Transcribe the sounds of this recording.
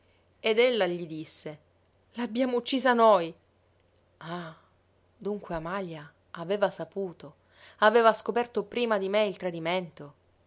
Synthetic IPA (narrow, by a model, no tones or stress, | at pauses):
ed̪elːaʎid̪isːe | laːbːjaːmout͡ʃːiːzanoj | a | d̪uŋkweamaːljaː | veːvasapuːt̪o | aveːvaskopɛrt̪opɾiːmad̪imeilt̪ɾad̪iment̪o